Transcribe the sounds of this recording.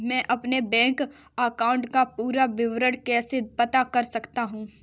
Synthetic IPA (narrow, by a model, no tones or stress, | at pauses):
mɛ̃ːʔɐpnebɛ̃ːŋk | aːkaːʊ̃ɳʈkapuːɾaʋɪʋɾəɽkɛːsepɐt̪akɐɾsɐkt̪aɦũː